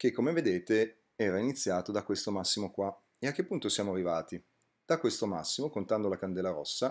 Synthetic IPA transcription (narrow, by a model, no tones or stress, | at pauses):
kekːomeved̪eːt̪e | ɛːɾainit̪sːjaːt̪od̪akwest̪omasːimokwa | eak̟ːepːunt̪osjaːmoarːivaːt̪i | d̪̥akːwest̪oma̰sːimokont̪and̪olakand̪ɛːlaɾɔ̰sːa